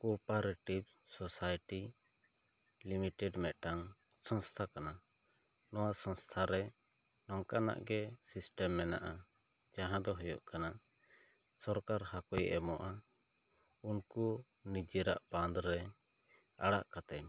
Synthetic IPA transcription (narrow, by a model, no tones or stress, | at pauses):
kɔpaɾʈib̚ | sɔsajʈi | limiʈɛɖmɛt̪̚ˀʈaŋsɔŋst̪ʰakana | nɔwasɔ̃ŋst̪ʰaɾɛ | nɔŋkana̰ʔɡɛsisʈɛmːɛna̰ʔa | d͡ʒaɦãd̪ɔɦɔjɔ̰ʔkana | sɔɾkaɾhakɔjʔɛmɔʔa | unku | nid͡ʒɛɾa̰ʔband̪ɾɛ | a̰ɽa̰ʔkat̪ɛɲ